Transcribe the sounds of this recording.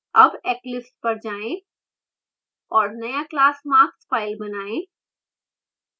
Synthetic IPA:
ɐbɛːklɪpspɐɾd͡ʒaːẽ | ɔːɾnɐjaklaːsmaːkspaːɪlbɐnaːẽː

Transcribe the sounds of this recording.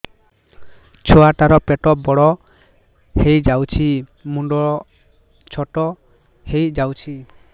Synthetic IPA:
t͡ʃʰɔaʈaɾɔpɛʈɔbɔɽɔ | hejd͡ʒawt͡ʃʰimuɳɖɔɔ | t͡ʃʰɔʈɔ | hejd͡ʒawt͡ʃʰi

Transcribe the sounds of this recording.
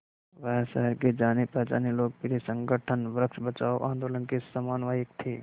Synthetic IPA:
ʋəɦsəɦəɾked͡ʒaːnepəd͡ʒa̰ːneloːɡ̚pɪɾesə̃ŋɡəʈʰənʋɾəkʃbət͡ʃaːoʔãːnd̪oːlənkesamaːnʋaːjik̚t̪ʰe

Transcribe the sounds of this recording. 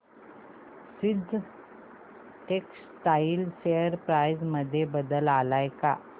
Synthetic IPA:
sid̪ʱ | ʈeks | ʈailseəɾpɾajd͡zməd̪ʱːjebəd̪əlalajka̰

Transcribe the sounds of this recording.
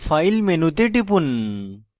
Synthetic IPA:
fajlmenut̪̬eʈip̬un

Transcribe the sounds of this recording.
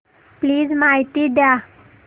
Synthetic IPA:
pliːzmaɦit̪iɖja

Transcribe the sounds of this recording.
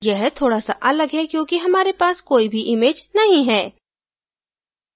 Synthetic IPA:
jɛɦt̪ʰoːɽasaʔɐləɡɦɛkjõːkiɦɐmaːɾepaːskoːibʱiʔɪmeːd͡ʒnɐɦĩɦɛː

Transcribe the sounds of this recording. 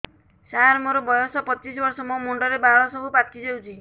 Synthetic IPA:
saaɾmɔɾɔbɔjɔsɔpɔt͡ʃisɔbɔɾsɔmɔmoɳɖɔɾebaɭɔsɔbʱupaʈʰid͡ʒewt͡ʃʰi

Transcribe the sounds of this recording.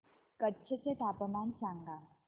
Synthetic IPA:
kətːɕʰet͡set̪apəmansãŋɡa

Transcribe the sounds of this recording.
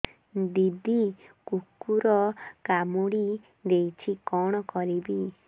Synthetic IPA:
d̪id̪ikukːuɾɔkamoɽi | d̪ejt͡ʃʰikɔɽ̃ɔkɔɾibi

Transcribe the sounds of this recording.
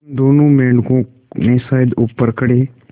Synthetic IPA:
d̪oːnõːmɛːɳkõ | mẽsaːjəd̪ʊpːəɾkəɽeː

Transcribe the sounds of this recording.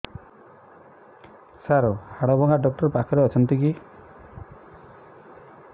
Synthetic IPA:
saɾɔhaɽɔbɔŋɡaɖɔk̚ʈɔɾpakʰɔɾeɔt͡ʃʰɔnt̪iki

